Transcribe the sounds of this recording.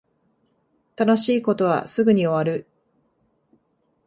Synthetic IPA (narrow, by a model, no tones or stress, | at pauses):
t̪anoɕiːko̞t̪o̞β̞a̰sɨɡɯ̟ɲ̟io̞βaɾɯ̟